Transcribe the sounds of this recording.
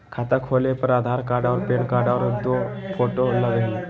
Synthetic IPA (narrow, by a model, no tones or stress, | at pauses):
kʰat̪akʰolepəɾad̪ʱaɾkaɖaʋəɾpenkaɖaʋəɾəd̪ofoʈolaɡəɦl